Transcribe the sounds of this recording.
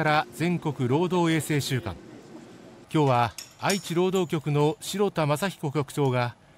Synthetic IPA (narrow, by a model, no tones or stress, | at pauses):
aɾazẽ̞ŋko̞kɯ̟ɾo̞ːd̪o̞ːe̞ːse̞ːɕɨːkã̰ŋ | kʲo̞ːβaait͡ɕiɾo̞ːd̪o̞ːkʲo̞kɯ̟no̞ɕiɾo̞t̪amasaçʲi̥ko̞kʲo̞kɯ̟̥t͡ɕo̞ːɡa